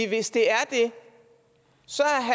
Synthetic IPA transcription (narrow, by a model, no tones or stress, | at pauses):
ʋe̝sd̥e̝æɐd̥e̝ | sɒ̽æɐɦæ